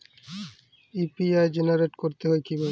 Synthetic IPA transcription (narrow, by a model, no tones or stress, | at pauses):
ipiajd͡ʑenaɾeʈkoɾt̪eɦoekibʱae